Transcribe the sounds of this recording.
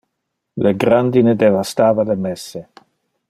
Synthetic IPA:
leɡɾand̪ined̪evast̪aːvalemɛsːe

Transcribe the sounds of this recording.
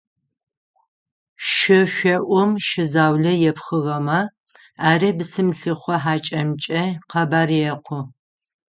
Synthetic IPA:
ʃɪɕʷɐʔʷɔmʃɪzaːwɮɐjɛpxɨʁɐmɐ | aːriːbɨsɨmɬɨχʷɔħaːt͡ʃʼɐmt͡ʃʼɐqɐbaːrjɛqʷʰʊ

